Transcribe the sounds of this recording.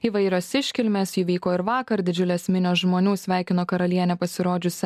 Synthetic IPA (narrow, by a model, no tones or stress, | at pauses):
iːʋɐɪɾʲoːsɪʃʲkʲɪlʲmʲeːsjiːʋʲiːkoːɪɾʋɑːkɐɾd̪ʲɪd͡ʒʲʊlʲɛsʲmʲɪnʲoːsʒmoːnʲuːsʲʋʲæˑɪkʲɪnoːkɐɾɐlʲiɛnʲɛpɐsʲɪɾoːd͡ʒʲʊsʲɛ